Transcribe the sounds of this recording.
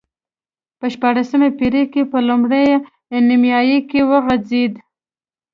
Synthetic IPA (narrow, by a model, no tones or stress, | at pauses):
pəʃpɑɽasəmepiɾekepəlumɽeja | nimjɑjekewəɣad͡zed̪